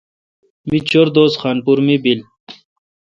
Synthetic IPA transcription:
mit͡ɕoɾd̪oːsxaːnpuɾmibil

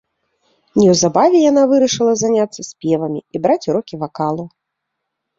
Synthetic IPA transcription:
nʲɛwzabavʲɛjan̪avɨɾɐʂɨlˠɐzanʲat̪sːɐsʲpʲɛvɐmʲḭibɾat͡sʲuɾɔkʲivakalˠu

